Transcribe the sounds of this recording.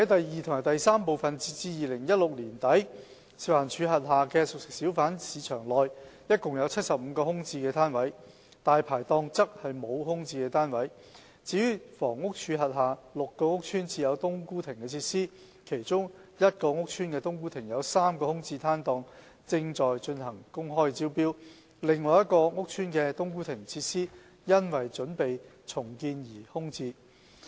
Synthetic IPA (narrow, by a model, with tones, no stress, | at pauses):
hɐ˨˥jt̪ɐ˨jːiː˨t̪ʰʊ˨˩ŋa˨˩t̪ɐ˨jsaː˥mpo˨wfɐ˨nt͡siː˧t͡siː˧jiː˨˩lɪ˨˩ŋjɐ˥t̚lʊ˨k̚liː˨˩nt̪ɐ˨˥j | siː˨˧waː˨˩nt͡ʃʰyː˨˧ɦɐ˨t̚ɦaː˨kɛː˧sʊ˨k̚sɪ˨k̚siː˨˥wfaː˨˥nsiː˨˧t͡ʃʰœː˨˩ŋlɔː˨jjɐ˥t̚kʊ˨ŋjɐ˨˧wt͡sʰɐ˥t̚sɐ˨p̚m̩˨˧kɔː˧hʊ˥ŋt͡siː˧kɛː˧t̪ʰaː˥nwɐ˨˥j | t̪aː˨jpʰaː˨˩jt̪ɔː˧ŋt͡sɐ˥k̚hɐ˨jmo˨˧whʊ˥ŋt͡siː˧kɛː˧t̪ʰaː˥nwɐ˨˥j | t͡siː˨˧jyː˥fɔː˨˩ŋʊ˥k̚t͡ʃʰyː˨˧ɦɐ˨t̚ɦaː˨lʊ˨kːɔː˧ŋʊ˥k̚t͡ʃʰyː˥nt͡siː˧jɐ˨˧wt̪ʊ˥ŋkuː˥t̪ʰɪ˨˩ŋkɛː˧t͡sʰiː˧t̚siː˥ | kʰe˨˩jt͡sʊ˥ŋjɐ˥t̚kɔː˧ŋʊ˥k̚t͡ʃʰyː˥nkɛː˧t̪ʊ˥ŋkuː˥t̪ʰɪ˨˩ŋjɐ˨˧wsaː˥mkɔː˧hʊ˥ŋt͡siː˧t̪ʰaː˥nt̪ɔː˧ŋ | t͡sɪ˧ŋt͡sɔː˨jt͡ʃɵ˧nɦɐ˨˩ŋkʊ˥ŋɦɔː˥jt͡siː˥wpiː˥w | lɪ˨ŋlɔː˨˧jɐ˥t̚kɔː˧ŋʊ˥k̚t͡ʃʰyː˥nkɛː˧t̪ʊ˥ŋkuː˥t̪ʰɪ˨˩ŋt͡sʰiː˧t̚siː˥ | jɐ˥nwɐ˨˩jt͡ʃɵ˨˥npe˨j | t͡sʰʊ˨˩ŋkiː˧njiː˨˩hʊ˥ŋt͡siː˧